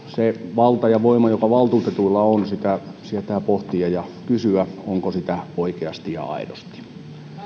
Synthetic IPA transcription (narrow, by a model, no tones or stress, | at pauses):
seʋɑlt̪ɑjɑʋoimɑjokɑʋɑlt̪uːt̪et̪uilːɑonsit̪æsiæt̪æːpoht̪iɑjɑkysyæoŋkosit̪æoikeɑst̪ijɑ̰ɑ̰idost̪i̥